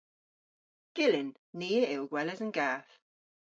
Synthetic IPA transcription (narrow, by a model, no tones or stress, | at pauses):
ɡ̥ɪlɪnː | iːɪlɡwɛlɛzənɡaːθ